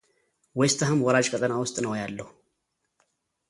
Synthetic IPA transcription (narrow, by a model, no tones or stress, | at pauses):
wɔjst̪ʰaɦɨmwɔɾaʒkʰət̪ʼənawʊst̪ʼnəwjalːəhu